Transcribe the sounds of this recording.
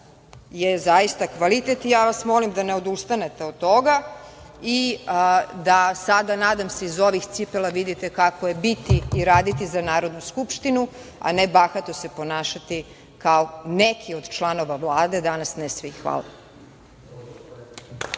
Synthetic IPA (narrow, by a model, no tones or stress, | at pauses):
jezajist̪akʋalit̪et̪ijaːʋasmo̞limd̪aneo̞d̪ust̪anet̪e̞od̪̚t̪ːo̞ɡa | i | d̪asad̪anaːd̪amse̞izo̞ʋixt̪sipelˠaʋid̪it̪e̞kakoje̞bit̪iːɾaːd̪it̪izanaːɾo̞d̪nuskupʃt̪inu | a̰nebaxat̪ose̞po̞naːʃat̪i | kaonekʰiod̪t͡ʃlˠano̞ʋavlˠaːd̪e̞d̪anasnesʋixʋa̰lˠa̰